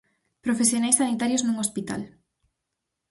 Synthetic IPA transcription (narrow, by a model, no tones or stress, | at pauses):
pɾofesjonajsːanit̪aɾjoznuŋospit̪a̰l